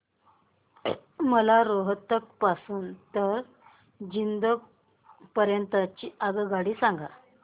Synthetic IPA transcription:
məlaɾoɦət̪ək̚pasuːnt̪əɾ | d͡ʑind̪ə | pəɾjənt̪ət͡ɕiːʔaɡəɡaɽiːsaŋɡa

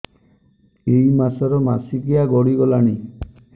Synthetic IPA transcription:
ejmasɔɾɔma̰sikijaɡɔɽiɡɔlaɽ̃i

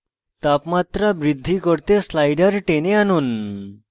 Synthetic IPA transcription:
t̪apmat̪ɾabɾid̪ʱːikəɽt̪eslajɖəɾʈeneanuːn

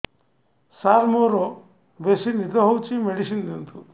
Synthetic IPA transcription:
saːɾmoːɾo | besinid̪ɐɦowt͡ʃimeɽisind̪ent̪u

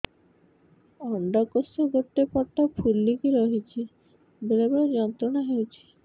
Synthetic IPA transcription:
ɔɳɖɔkosɔɡoʈ̪ːepɔɾt̪apʰulːikiɾɔɦit͡ʃʰi | belebed͡ʒɔnt̪ɾɔnaɦewt͡ʃʰi̥

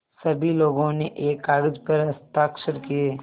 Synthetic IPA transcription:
sɐbʱiloːɡõneʔeːkaːɾəd͡ʒpɐɾɐst̪aːkʃəɾkieː

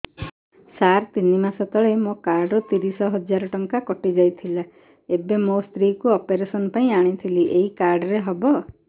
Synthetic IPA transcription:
saɾt̪inimasɔt̪ɔɭemõkaɾɖut̪iɾisɔɦɔd͡ʒaɾɔʈɔŋkakɔʈid͡ʒajt̪ʰila | ebemost̪ɾikuɔpeɾesɔnɔpaĩaɽ̃it̪ʰiliʔeikaɾɖɔɾeɦɔbɔ

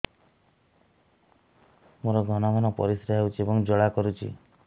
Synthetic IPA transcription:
moɾɔɡʱɔnɔmanɔpɔ̰ɾisɾaɦɦewt͡ʃʰiebɔŋd͡ʒɔɭakɔɾut͡ʃʰḭ

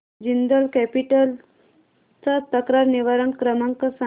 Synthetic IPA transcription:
d͡ʑind̪əlkɛpiʈəl | t͡sat̪əkɾaɾniʋaɾəŋkɾəmaŋkəsa

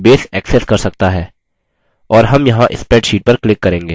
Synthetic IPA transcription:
beːsɛːksɛskɐɾsɐk̚t̪aɦɛː | ɔːɾɦɐmjɐɦãʔɪ̰spɛːʈʃiːʈ̚pɐɾklɪkːɐɾẽːŋɡeː

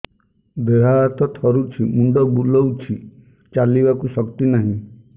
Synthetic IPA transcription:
d̪eɦat̪ɔt̪ʰɔɾut͡ʃʰimuɳɖɔbulɔwt͡ʃʰi | t͡ʃalibakusɔkt̪inaɦĩ

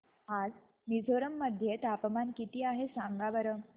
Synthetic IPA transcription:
ad͡z | nid͡zʱoɾəmːəd̪ʱjet̪apəmankit̪iːaɦesãŋɡaʋəɾəm

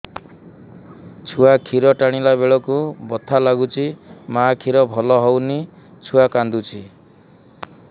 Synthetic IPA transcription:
t͡ʃʰuakʰiɾɔʈaɽ̃ilabeɭɔkubɔt̪ʰalaɡut͡ʃʰimakʰiɾɔbʱɔlɔɦɔwni | t͡ʃʰuakand̪ut͡ʃʰi

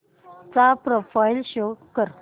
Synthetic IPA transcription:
t͡sapɾofailɕokːəɾ

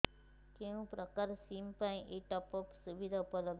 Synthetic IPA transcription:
kẽũpɾəkaɾsimpãĩʔeʈɔpɔpsuʋid̪ʱaupələb

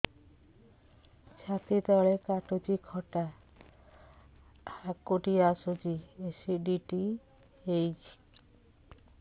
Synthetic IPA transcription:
t͡ʃʰat̪it̪ɔɭekaʈot͡ʃikʰɔʈa | hakːoʈiasod͡ʒiesiɖiʈi | ejt͡ʃʰi̥

